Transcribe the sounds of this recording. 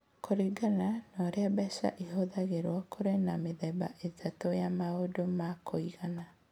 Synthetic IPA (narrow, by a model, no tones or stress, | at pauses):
koɾiɡananɔɾeabɛʃa̰ʔeɦoðaɣeɾwakoɾenameðɛba̰ʔetʰatojamaodomakoiɣana